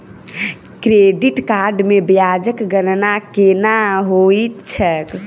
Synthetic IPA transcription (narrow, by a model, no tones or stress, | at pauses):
kɾeɖiʈkaɾɖmebjad͡ʒəkɡənnakenaɦoit̪t͡ʃʰək